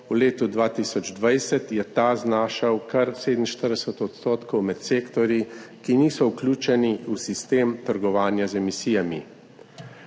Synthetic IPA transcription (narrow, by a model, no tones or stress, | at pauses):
uleːt̪ud̪ʋaːt̪isɔd͡ʒd̪ʋajsɛt̪jɛt̪aznaːʃawkɐɾseːd̪nnʃt̪əɾd̪ɛsət̪ɔt̪st̪oːt̪kɔwmɛt̪seːkt̪ɔɾjikiniːsɔuklʲuːt͡ʃɛniusist̪eːmt̪əɾɡɔʋaːnjazɛmisiːjami